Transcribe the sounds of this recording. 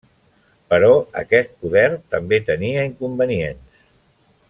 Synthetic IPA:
pəɾɔə̰kɛst̪̚puðɛɾrt̪əmbet̪əniəiŋkumbəniens

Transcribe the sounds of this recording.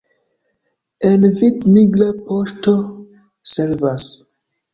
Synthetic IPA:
envidmiɡlapoʃto | selvas

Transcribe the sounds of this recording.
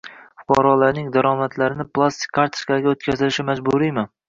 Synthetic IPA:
fʊ̥qʰɑɾɒlaɾnɪŋd̪aɾɒmat̪ʰlaɾɪnɪplˠast̪ʰɪ̥kʲʰːɑɾt̪ʰɪ̥kɑɡʲaot̪̚kʲʰazɪlɪʃɪmad͡ʒbʊɾijmɪ

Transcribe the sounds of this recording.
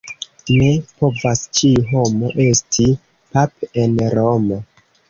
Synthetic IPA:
ne̞po̞vast͡ʃiɦo̞mo̞ʔe̞stʰi | pap̚enɾomo

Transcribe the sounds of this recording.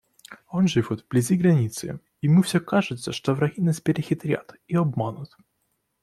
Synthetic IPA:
onʐɨfʲot̪vblʲɪzʲiɡɾɐnʲit̪sɨ̰ | imɨfsʲokaʐɨt̪səʂt̪ovɾɐɣʲinaspʲɪɾʲɪxʲɪt̪ɾʲa̰t̪ | iɐbmanʊt̪

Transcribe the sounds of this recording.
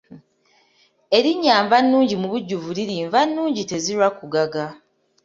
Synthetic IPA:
e̞ɾiɲːaːɱvanːuːɲɟimuβuɟːuvuliɾiːɱvanːuːɲɟite̞ziɾwakuɡaɡa

